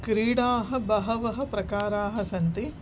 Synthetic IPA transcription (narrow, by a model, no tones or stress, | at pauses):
kɾiːɽaːɦɐ̆bɐɦɐʋɐɦɐ̆pɾɐkaːɾaːɦɐ̆sɐnt̪i